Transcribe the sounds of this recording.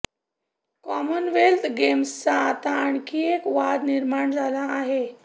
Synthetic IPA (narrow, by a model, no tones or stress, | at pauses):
kɔmənʋelt̪ʰɡemst͡saːt̪aːɳkiekʋad̪niɾmaɳd͡zʱalaːɦe